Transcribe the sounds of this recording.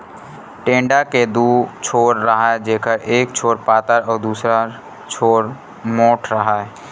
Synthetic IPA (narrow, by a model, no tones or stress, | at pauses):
ʈẽːɳɖaked̪uːt͡ʃʰoːɾːəɦaed͡ʒeːkʰəɾeːk̚t͡ʃʰoːɾpaːt̪əɾɔːɾd̪uːsɾa | t͡ʃʰoːɾ | moːʈʰɾəɦae